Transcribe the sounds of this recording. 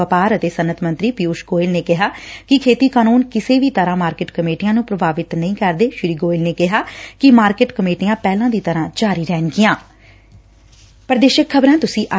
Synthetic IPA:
əpaːɾət̪eːsənət̪ʰmə̃nt̪ɾiːpɪuːʃɡoːɪlneːkɪɦaːkɪkʰeːt̪iːkaːnuːnkɪseːʋiːt̪əɾãːmaːɾkɪːʈkəmeːʈijãːnũːpɾəbʱaːʋɪt̪nəĩːkəɾd̪eːʃɪɾiːɡoːɪlneːkɪɦaːkɪmaːɾkeʈkəmeːʈijãːpɛːlãːd̪iːt̪əɾãːd͡ʒaːɾiːɾɛːnɡɪjãː | pəɾd̪eːʃəkʰːəbɾãːt̪ʊsĩːʔə

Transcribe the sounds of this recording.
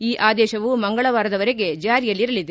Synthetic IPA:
iːʔaːd̪ɛːʃɐʋumɐŋɡɐɭɐʋaːɾɐd̪ɐʋɐɾeɡe̞d͡ʒaːɾijɐlːiɾɐlid̪e

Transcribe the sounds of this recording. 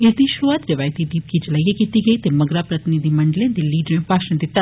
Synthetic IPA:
ɪsd̪iʃʊɾuaːt̪ɾɐʋaːjt̪id̪iːb̚kid͡ʒɐlaːijakiːt̪iɡɐit̪emɐɡɾapɾɐt̪ɪnɪd̪imɐɳɖəlẽd̪eliːɖɾẽpaːʃnə̃d̪ɪt̪ːa

